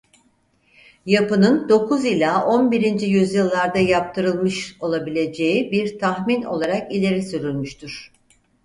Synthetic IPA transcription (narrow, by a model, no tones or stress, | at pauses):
japɯnɯnd̪o̞kʰuzilʲaʔo̞nbiɾind͡ʒijyzjɯlˠːaɾd̪ajap̚t̪ʰɯɾɯlˠmɯʃo̞lˠabilʲe̞d͡ʒe̞jibiɾt̪ʰaxmino̞̰lˠaɾakilʲe̞ɾisyɾylʲmyʃt̪ʰyɾ̝̥